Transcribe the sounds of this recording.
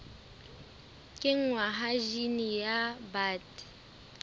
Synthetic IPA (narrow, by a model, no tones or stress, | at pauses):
kʼɪŋ̩waɦaʒinijabaːtʼ